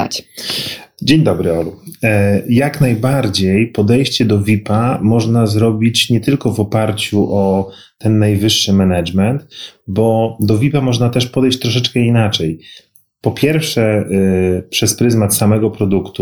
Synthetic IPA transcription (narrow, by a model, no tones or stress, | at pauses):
a̰t͡ɕ | d͡ʑeɲd̪ɔbɾɘɔlu | jaknajbaɾd͡ʑejpɔd̪ɛjɕt͡ɕɛd̪ɔvʲipamɔʐnazɾɔbʲit͡ɕɲɛt̪ɘlkɔvɔpaɾt͡ɕuʔɔ | t̪ɛnːajvɘʂːɘmɛnat͡ʂmɛnt̪bɔd̪ɔvʲipamɔʐnat̪ɛʂpɔd̪ɛjɕt͡ɕt̪ɾɔʂ̬ɛt͡ʂkɛinat͡ʂɛj | pɔpʲjɛɾfʂɛ | pʂɛspɾɘzmat̪samɛɡɔpɾɔd̪ukt̪u